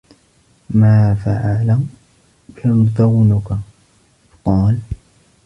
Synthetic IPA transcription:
maːfaʕala | and̪ˤawnʊka | qɑːl

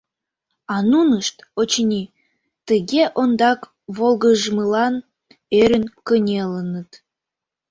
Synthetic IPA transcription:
ɑnunəʃt̪ot͡ɕnʲi | t̪əɣʲeʔond̪ɑk | βolˠɣəʒməlɑn | øɾʲənkənʲelənət̪

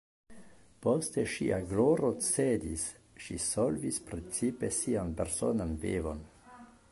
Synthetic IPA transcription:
post̪eʃiʔaɡloɾot͡sedis | ʃḭsolvispɾet͡sipe̞sianpeɾso̰nanvḛvo̞̰n

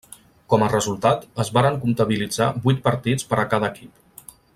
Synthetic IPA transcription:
kɔmərəzulˠt̪at̪əzβaɾəŋkunt̪əβ̞ilid͡za̰bujt̪̚pəɾt̪it͡spəɾəkað̞əːkip

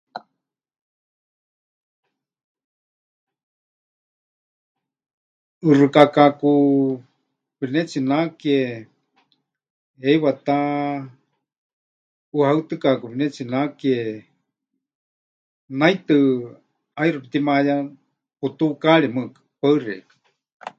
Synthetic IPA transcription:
ɨrɨkakaku | βinɛt͡sʰinakie | ejwat̪a | uhaɨt̪ɨkakuβinɛt͡sʰinakie | nait̪ɨ | airɨpit̪imaja | put̪ukaɺimɨkḁpaɨrɛ̰kḁ

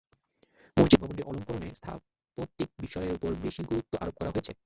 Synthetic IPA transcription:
moɦd͡ʑibʱɔbonʈiɾʔɔloŋkoɾonḛst̪ʰa̰ | pot̪ːik̚biʃɔeɾupoɾbeʃiɡuɾut̪ːoʔa̰ɾop̚kɔɾa̰ɦoet͡ɕʰe

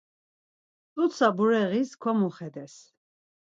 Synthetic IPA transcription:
t̪ʼut̪sabuɾɛʁiskʰwamuχɛd̪ɛs

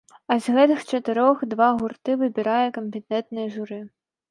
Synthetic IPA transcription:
ɐzʲɣɛt̪ɨxt͡ʂɐt̪ɨɾɔxd̪vaɣurt̪ɨvɨbʲiɾajɛkɐmʲpʲɛt̪ɛt̪̚nɨjɛʐuɾɨ

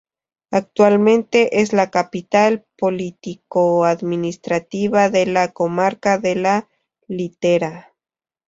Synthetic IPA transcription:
ak̚t̪walmẽ̞nt̪e̞ʔezlakapit̪alpolit̪ikoaðminist̪ɾat̪iβaðelako̞maɾkaðe̞la | lit̪eɾa

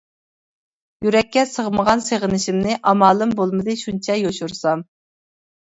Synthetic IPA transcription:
jyɾɛkʲːɛsəʁməʁɑnseʁənɪʃimnɪʔɑmɑːlˠɨmbolˠmɨd̪ɨʃunt͡ʃʰɛjoʃuɾsɑm

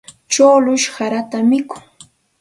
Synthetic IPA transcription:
t͡ʃoːlʊʃhaɾat̪amɪkʊ̥ŋ

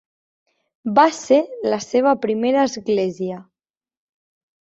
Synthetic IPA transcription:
baselaseβ̞apɾimeɾaːzɣlezia

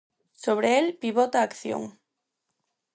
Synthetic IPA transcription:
soβ̞ɾeelpiβot̪aːkθjo̰ŋ

